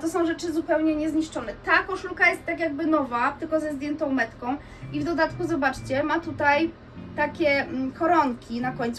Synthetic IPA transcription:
t̪ɔsɔ̃w̃ʐɛt͡ʂɘzupɛwɲɛɲɛzɲiʂt͡ʂɔnɛt̪akɔʂukajɛst̪ːakʲjaɡ̚bɘnɔvat̪ɘlkɔzɛzd̪ʲjɛnt̪ɔ̃w̃mɛt̪kɔ̃w̃ | ivd̪ɔd̪at̪kuzɔbat͡ʂt͡ɕɛmat̪ut̪aj | t̪akʲɛkɔɾɔŋkʲinakɔɲʲt̪s

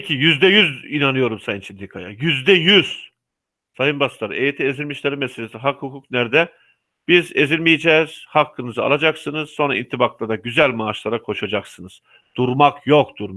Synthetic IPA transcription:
cʰijyzd̪ɛjyzinanɯjo̞ɾumsajɯnt͡ʃʰind̪ʲikʰajajyzd̪ɛjyz̥ | sajɯnbast̪ˠaɾejit̪ʰie̞zilʲmiʃlʲeɾimɛselʲesiɦakhukʰuknæɾd̪ɛ | b̥ize̞zilʲmijed͡ʒɛːz̥hakʰːɯnɯzɯa̰lˠad͡ʒaksɯnɯzso̞nɾa̰ḭnt̪ʰːibaklˠad̪aɟyzælʲmaːʃlˠaɾakʰo̞ʃad͡ʒaksɯnɯz̥ | d̪̥uɾmakjo̞k̚t̪uɾm

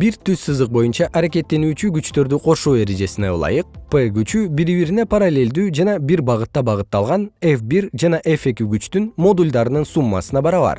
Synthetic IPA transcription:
biɾt̪yssɯzd̪ɯq̚bo̞junt͡ʃɑʔaɾeke̞t̪ːe̞nyːt͡ʃyɡyt͡ʃt̪ø̞ɾd̪yqʰo̞ʃuːe̞ɾe̞d͡ʒe̞sineṵlˠɑ̰jɯq̚peɡyt͡ʃybiɾiβiɾine̞paɾalʲːe̞lʲd̪yːd͡ʒɑnɑbiɾbɑʁɯt̪ːɑbɑʁɯt̪ːɑlˠʁɑnefbiɾd͡ʒɑnɑʔefe̞kiɡyt͡ʃt̪ynmo̞d̪ulʲd̪ɑɾɯnɯnsumːɑ̰sɯnɑbɑɾɑβɑ̰ɾ

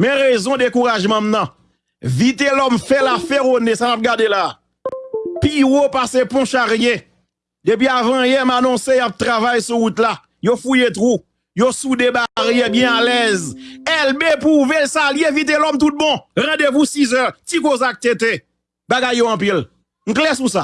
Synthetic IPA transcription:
mɛ̃ʁezɔ̃d̪ekuʁaʒmʌ̃mnʌ̃ | vit̪̬elɔmfɛlafeʁonesamap̚ɡadelaː | piʁopasepɔ̃ʃaʁje | d̪ep̬ɥiavãjɛmanɔ̃sejap̚t̪ʁavajsuut̪la | jofujet̪ʁu | josudebaʁjebjɛ̃alɛzɛlbepuvelsaliẽvit̪̬elɔmt̪ut̪̚bɔ̃ʁãdevusizœtikozak̚t̪et̪e | baɡajːoɑ̃p̬il | ŋ̩klɛs̬usa

